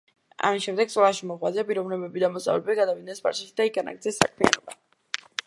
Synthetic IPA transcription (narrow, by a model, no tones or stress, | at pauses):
a̰misʃɛmd̪ɛɡsʼɔlˠaʃimɔʁwazɛapʼiɾɔvnɛbɛbid̪amɔsʼa̰vlɛbɛbiɡad̪avid̪̚nɛnsba̰ɾʃɛʃid̪aiɡanʔa̰ɡ̚t̪zɛsːa̰kʰmia̰nɔba̰